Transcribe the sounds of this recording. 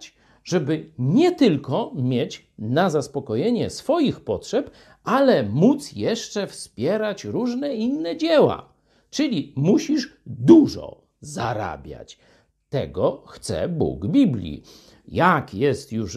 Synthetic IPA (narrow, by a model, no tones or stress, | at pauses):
t͡ɕ | ʐɛbɘɲɛt̪ɘlkɔmʲjɛt͡ɕ | nazaspɔkɔjeɲɛsfɔjixpɔtʂɛp | alɛmut̪sjɛʂt͡ʂɛfspʲjɛɾat͡ɕɾuʐnɛinːɛd͡ʑɛwa̰ | t͡ʂɘlʲimuɕiʂd̪uʐɔ̰ | za̰ɾa̰bʲja̰t͡ɕ | t̪ɛ̰ɡɔxt̪sɛ̰bṵɡbʲiblʲḭ | jakjɛst̪juʂ